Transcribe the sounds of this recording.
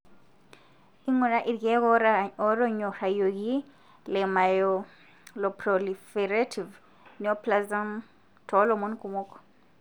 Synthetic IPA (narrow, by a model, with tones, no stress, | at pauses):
i˦ŋu˨ɾa˦ʔi˨ɾɡɛ˦ɣɔ˦ɾaɔ˨ɾɔ˦ɲɔ˨ɾa˨jo˨ɣi˦ | lɛ˨ma˨jɔ | lɔ˨pɾɔ˨lifɛɾa˦tʰi˨v | ni˨ɔ˦pla˦za˦m | tʰɔ˨˦lɔ˨mɔ˦nku˨mɔ˦kɔ̥˨